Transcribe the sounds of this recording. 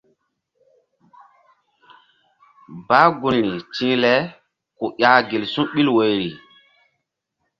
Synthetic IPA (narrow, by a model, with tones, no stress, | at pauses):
baː˨˦ɡu˨nɾi˨t͡ʃĩ˦lɛ˦ | ku˨ʔʲaː˨˦ɡi˨lsũ˦ɓi˦lwo˨jɾi˨